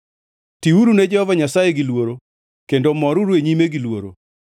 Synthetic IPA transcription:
tiuɾuned͡ʒɛhɔvaɲasajeɡilwoɾo | kendomɔɾuɾweɲimeɡilwo̰ɾo̰

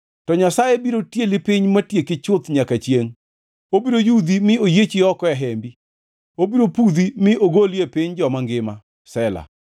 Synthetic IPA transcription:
tɔɲasajebiɾotjelɪpɪɲmatjekɪt͡ʃʊt̪ɲakat͡ʃjeŋ | obiɾojud̪imɪojet͡ʃiɔkɔɛɦɛmbi | obiɾopud̪imɪoɡoliepɪɲd͡ʒɔmaŋɡɪma | sɛla̰

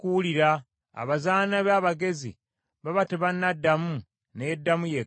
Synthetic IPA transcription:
kuuliɾa̰ː | βazaːnaβaːβaɡe̞zḭ | βaβateβanːadːamu | nedːamuje

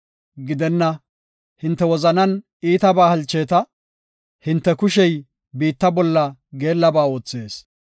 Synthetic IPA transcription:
ɡɪd̪ɛnːɐ | hɪnt̪ːɛwɔzɐnɐn | iːt̪ɐbaːhɐlt͡ʃːe̞ːt̪ɐ | hɪnt̪ːɛkʊʃɛj | biːt̪ːɐbɔlːɐɡe̞ːlːɐbaːo̞ːt͡sːe̞ːs

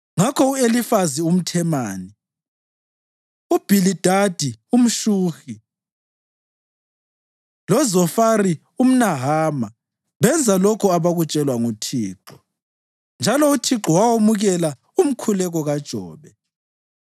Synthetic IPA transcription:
ŋakʰɔuelifazium̩tʰɛmaːni | ub̥ʱilid̥ʱad̥ʱium̩ʃuːxi | lɔzɔfari | um̩naɦaːma | βɛnd͡zʱalɔkʰɔaβaɣut͡ʃʼɛlwaŋutʰiːǃɔ | nd͡ʒʱalɔutʰiǁɔwawomuɣɛla | um̩kʰulɛɣɔɣad̥ʒ̥ʱɔːβɛ

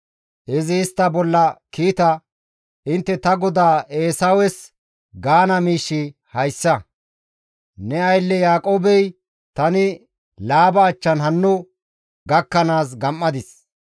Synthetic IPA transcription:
ʔɪzɪːst̪ːɐbɔlːɐkiːt̪ɐ | ɪnt̪ːɛt̪ɐɡɔd̪aːeːsɐwɛs | ɡaːnɐmiːʃːɪ | hɐjsːɐ | nɛɐjlːɛjaːkʼoːbɛj | t̪ɐnɪ | laːbɐːt͡ʃːɐnɦɐnːʊ | ɡɐkːɐnaːs̬ɡɐmːɐd̪ɪs

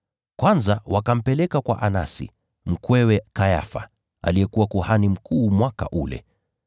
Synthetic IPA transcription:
kwanzawakam̩pɛlɛkakwa̰ʔana̰sḭ | m̩kwɛwɛkaja̰fa̰ | a̰lijɛkuwakuhanim̩kuːmwaka̰ʔulɛ̰

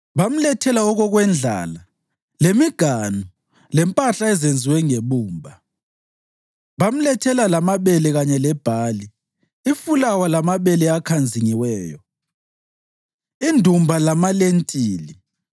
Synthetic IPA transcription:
βam̩lɛtʰɛlaɔɣɔɣwɛnd͡ɮʱa̰ːla | lemiɡ̥ʱanu | lɛmpʼaɬaɛzend͡zʱiwɛŋeβuːmbʱa | βam̩lɛtʰɛlalamaβɛlɛɣaɲɛlɛb̥ʱaːli | ifulawalamaβɛlɛakʰand͡zʱiŋiwɛːjɔ | indʱumbʱalamalentʼiːli

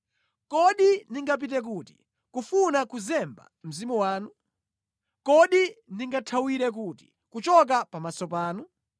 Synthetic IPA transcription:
kɔɗindiŋɡap̬it̬ɛk̬uti̥̰ | kufunakuzɛmba̰m̩zimuwaːnu | kɔɗindiŋɡatʰawiɾɛk̬uti̥ | kut͡ʃɔk̬apamasɔpaːnu

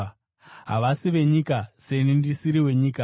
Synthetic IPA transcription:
ɦa̰ʋasiʋe̞ɲikase̞nindisiɾiwe̞ɲiːka

